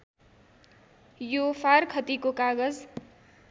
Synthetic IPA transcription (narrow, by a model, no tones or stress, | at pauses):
jofʰarkʰʌt̪ikokaɡʌd͡z